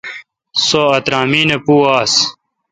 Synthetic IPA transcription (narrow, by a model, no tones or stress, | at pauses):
soɐt̪ɾaːmiːnepuːaːs